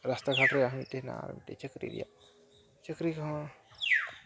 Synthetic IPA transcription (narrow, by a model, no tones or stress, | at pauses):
ɾɐst̪aɡʱaʈɾejaɦmit̪ena̰ɾ̰mit̪et͡ʃəkɾḭɾḭja̰ | t͡ʃɐkɾikã